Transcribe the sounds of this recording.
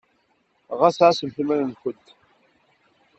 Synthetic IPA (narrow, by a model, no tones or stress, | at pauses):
ʁasʕasəmθimænənkʷət̪